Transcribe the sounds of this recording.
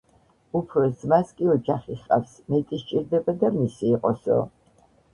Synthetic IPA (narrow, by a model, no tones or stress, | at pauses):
upʰɾɔzmaskʼiɔd͡ʒaχiχqʼa̰fsmɛt̪ʼiʃt͡ʃʼiɾd̪ɛbad̪amisiːqʼɔsɔ̰